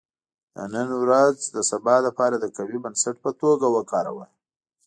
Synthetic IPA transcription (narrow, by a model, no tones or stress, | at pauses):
d̪ə̰nənwɾazd̪əsabɑlapɑɾad̪əkawibənsaʈ̚pət̪oɡawəkɑɾa̰wəl